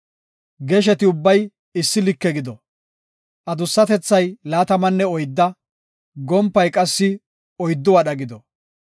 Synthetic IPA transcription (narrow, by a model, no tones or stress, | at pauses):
ɡɛʃ̬ɛt̪ɪʊbːɐj | ɪsːɪlɪkːɛɡɪd̪ɔ | ʔɐd̪ʊsːɐt̪ɛt͡sːɐjlaːt̪ɐmɐnːɛɔjd̪ːɐ | ɡɔmpːɐjkʼɐsːɪ | ɔjd̪ːɔwɐɗɐɡɪd̪ɔ